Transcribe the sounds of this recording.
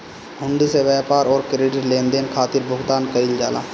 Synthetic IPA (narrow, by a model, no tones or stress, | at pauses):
ʊ̃ɳɖiseʋɛːpaːɾɔːɾkəɾeːɖəɾlẽːnd̪eːnkʰaːt̪ɪɾbʱʊɡt̪aːnkəɾɪld͡ʒaːla̰ː